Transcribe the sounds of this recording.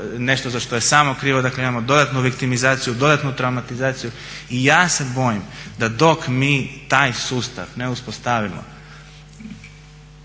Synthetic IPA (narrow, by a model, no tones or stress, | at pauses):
ne̞ʃt̪ozaʃt̪oje̞saːmokɾiːʋo̞d̪akleimamo̞d̪o̞d̪at̪nuʋikt̪imizaːt̪sijud̪o̞d̪at̪nut̪ɾawmat̪izaːt̪siju | ijaːse̞bo̞jimd̪ad̪o̞kmiːt̪aːjsuːst̪a̰ʋne̞uspost̪aʋimo̰